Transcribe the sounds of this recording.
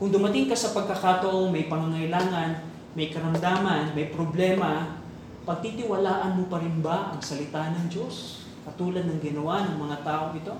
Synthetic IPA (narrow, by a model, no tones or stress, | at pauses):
kʊŋd̪ʊmɐt̪ɪŋkɐsɐpɐɡ̚kɐkaːt̪ɐʔoŋmɐjpɐŋaŋɐɪlaːŋɐn | mɐjkɐɾɐmd̪aːmɐnmɐjpɾoblɛːmɐ | pɐɡ̚t̪it̪ɪwɐlaːʔɐnmopɐɾɪnbaʔɐŋsɐlɪt̪anɐŋd͡ʒo̞s | kɐt̪uːlɐd̪̚nɐŋɡɪnɐwanɐŋmɐŋat̪aːʔoŋʔɪt̪o̞